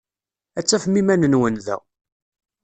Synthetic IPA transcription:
æt͡sːæfmimænənwənðæ̰

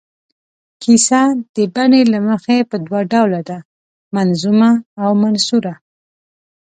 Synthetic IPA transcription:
kʰisad̪̥əbanelaməxepəd̪waɖawlad̪a | manzumaːwmansuɾa

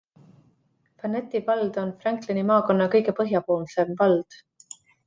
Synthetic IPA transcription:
fɑnːet̪ːˑivɑld̪̥o̞nfrɑŋklenimɑːko̞nːɑkɤjɡe̞pɤɦjɑpo̞ːlmse̞mvɑld̪̥

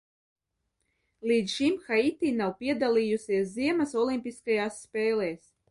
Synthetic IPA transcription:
liːd̪ʃimxait̪iːnawpʲiɛd̪alʲˠiːjusʲiɛs̬ziɛmasɔlimʲpʲiskajaːsːpʲeːleːs

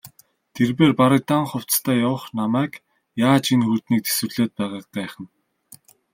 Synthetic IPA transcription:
t̪ʰerpeːrpaɾə̆k̚t̪aɴχʊw̥t͡st̪ʰæːjawə̆χnamæːk | jaːt͡ɕinxut̪niːk̚t̪e̥swɘ̆rɮeːt̪̚pæːʁaːq̚ɢæːχə̆n

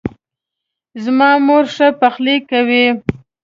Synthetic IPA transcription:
zmɑmoɾʂəpaxlikawi

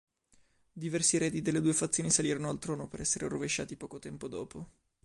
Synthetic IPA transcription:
d̪ivɛrsiɾɛːd̪id̪elːed̪uːefat̪sːjoːnisaliːɾonoalt̪ɾɔːnopeɾɛsːeɾeroveʃːa̰ːt̪ipɔːkot̪ɛmpod̪ɔːpo

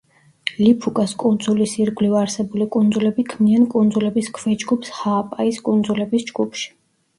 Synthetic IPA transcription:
lipʰukʼaskʼund̪zulisiɾɡlivaɾsɛbulikʼund̪zulɛbikʰmiankʼund̪zulɛbiskʰvɛd͡ʒɡupshaːpʼaiskʼund̪zulɛbisd͡ʒɡupʰʃi̥

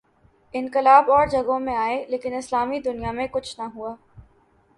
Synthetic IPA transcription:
ɪ̃nqɪlaːbɔːɾd͡ʒɐɡõmẽaːeleːkɪnɪslaːmid̪ʊnijamẽkʊt͡ʃʰnaɦuaː

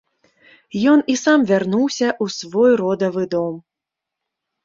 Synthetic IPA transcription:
jɔnisamvʲarnuwsʲɐʔusvɔjrɔd̪ɐvɨd̪ɔm

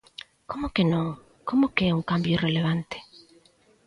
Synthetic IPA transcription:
komʊkenõŋ | komʊkeɛuŋkambjoreleβ̞ant̪e̥

